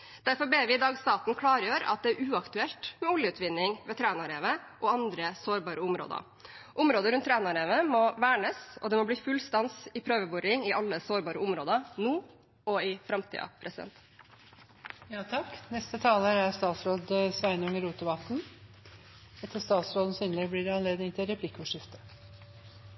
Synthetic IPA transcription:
d̪̥æɾfɔɾbeːʋɪɪd̪ɑːɡst̪ɑːt̪n̩kʰlɑːɾjøːɾɑ̰t̪̚d̪ɛæɾʉːɑkt̪ʉɛlt̪mɛɔljəʉːt̪ʋɪnːɪŋʋɛːt̪ʰɾæːnɑɾeːʋəʔɔɑnd̪ɾəsoːɾbɑːɾəʊmɾo̰ːd̪ə̰ | ʔʊmɾoːd̪əɾʉnt̪ʰːɾæːnɑɾeːʋəmɔʋæːɳəsɔd̪ɛmɔbliːfʉlst̪ɑnsɪpʰɾøːʋəbʊɾɪŋɪʔɑlːəsoːɾbɑːɾəʊmɾoːd̪ənuː | ɔɪfɾɑmt̪ʰḭːɑ̰pʰɾʔɛsɪd̪ɛ̰nt̪ | jɑːt̪ʰɑknɛst̪ət̪ʰɑːləɾæɾst̪ɑːt̪sɾoːd̪sʋæɪnəʉŋəɾuːt̪əʋɑt̪n̩ | ɛt̪ːəst̪ɑːt̪sɾoːd̪n̩syːnlɪɡbliːɖɛɑnleːd̪nɪŋt̪ʰɪlɾɛpʰlɪkːʊʂɪft̪ə̥

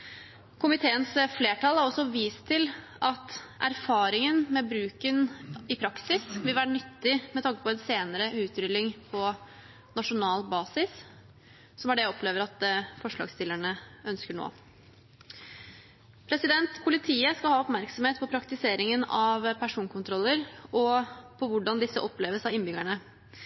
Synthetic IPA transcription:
kʰʊmɪt̪ʰeːənsfleːʈɑlˠhæɾɔsːɔʋiːst̪ʰːɪl | ʔɑt̪ʔæɾfɑːɾɪŋənmɛbɾʉːkənɪpʰɾɑksɪsʋɪlʋæːɾəɳʏt̪ːɪmɛt̪ʰɑŋkə̥pɔɛnseːnəɾəʉːt̪ɾʏlːɪŋpʰɔ | nɑʂʊnɑːlbɑːsɪs | sɔmæɖɛɔpʰleːʋəɾɑt̪fɔʂɭɑ̰ːɡst̪ɪləɳəœnskəɳo̰ː | pʰɾɛsɪd̪ɛnt̪pʰʊlɪt̪ʰiːəskɑlhɑːɔpmæɾksɔm̩eːt̪̚pʰɔpʰɾɑkt̪ɪseːɾɪŋənɑʋpʰæʂuːnkʰʊnt̪ʰɾɔlːəɾɔpʰɔʋʊɖɑnd̪ɪsːəʔɔpleːʋəsɑʋɪnːbʏɡæɳə

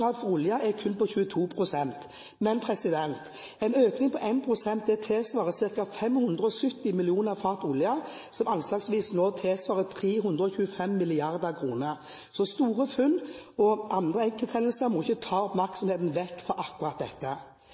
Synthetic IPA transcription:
ɑːd̪fɔɾʊljɑʔɛkʰʉnːpɔçʉːət̪ʰuːpʰɾʊsɛnt̪ | mɛnpʰɾɛsɪd̪ɛnt̪ | ɛɪnøːknɪŋpɔʔɛɪnpʰɾʊsɛnt̪̚ɛt̪ʰeːsʋɑːʁəsɪʁkɑfɛmhʉnd̪ʁəɔsʏt̪ːɪmɪlɪuːnəʁfɑʁt̪ʊljɑ | sɔmɑnslɑːɡsʋiːsnoːt̪ʰeːsʋɑːʁət̪ʰɾeːɦʉnd̪ɾəɔçʉːəfɛmːɪlɪɑʁd̪əkʰɾuːnə | sɔst̪uːɾəfʉnɔɑnd̪ʁəɛŋkəlt̪ʰɛnəlsəmɔɪçːət̪ʰɑːɔpmæɾkt̪sɔmheːt̪n̩ʋɛkːfɔɾʔɑkːʉʁɑt̪̚d̪ɛt̪ːə

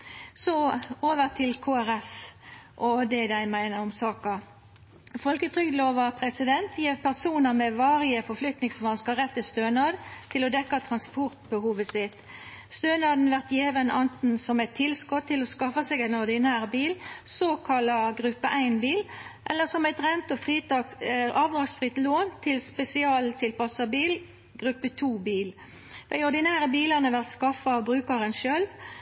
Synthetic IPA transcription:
sɔoːʋəʁt̪ʰɪlkʰoːæɾɛfʔɔd̪ɛd̪æɪmæɪnəɔmsɑːkɑ | fɔlkət̪ʰʁʏɡ̪loːʋɑpʰʁɛsɪd̪ɛnt̪ʰjeːpʰæʁsuːnəmɛʋɑːɾɪəfɔflʏk̚t̪nɪŋsʋɑnskəʁɛt̪ʰːɪst̪øːnɑːd̪t̪ʰɪlɔd̪ɛkːɑt̪ʰʁɑnspɔʁt̪̚bəhuːʋəsɪt̪ | st̪øːnɑːd̪n̩ʋæʁt̪jeːʋənɑnt̪n̩sɔmɛɪt̪ʰːɪlskɔt̪ʰːɪlɔskɑfɑsɛɡæɪnɔʁd̪ɪnæːʁbiːlsoːkʰɑlɑɡʁʉpːəʔæɪnbiːlʔɛlːəsɔmæɪt̪ʁɛnt̪ɔfʁiːt̪ɑkʔɑːʋd̪ɾɑːɡsfʁɪt̪loːnt̪ʰɪlspɛsɪɑːlt̪ʰɪlpɑsɑbiːl | ɡ̥ʁʉpːət̪ʰuːbiːl | d̪̥æɪɔʁd̪ɪnæːʁəbiːlɑnəʋæʁt̪skɑfɑbʁʉːkɑʁənʃølʋ

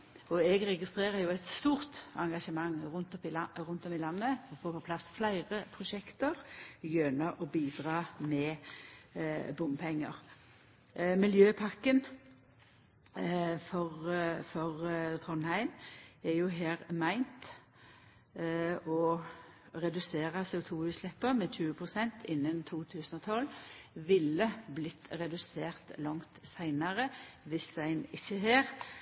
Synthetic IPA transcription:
ɔɛɡʁɛɡɪst̪ʁeːɾəɾjʊæɪt̪st̪uːʁt̪ɑŋɡɑʂəmɑŋːʁʊnt̪ɔpʁʊnt̪ɔmɪlɑnːəɔfoːpɔpʰlɑsflæɪʁəpʰɾʊʃɛkt̪əʁjœnəʔɔbiːd̪ɾɑːmɛ | bʊmpʰɛŋːə̰ʁ | mɪljøːpʰɑʁkən | fɔʁfɔʁt̪ʰʁɔnhæɪmɛjʊɦeːʁmæɪnt̪ | ɔ | ʁɛd̪ʉseːʁəsɛʊt̪ʰuːʉːslɛpːəʁmɛçʉːəpʰʁʊsɛnt̪ʰɪnːənt̪ʰuːt̪ʰʉːsənɔt̪ʰɔlʋɪlːəblɪt̪ːʁɛd̪ʉseːʁt̪lɑŋt̪sæɪnɑʁəʋɪsæɪnɪçːəɦeːʁ

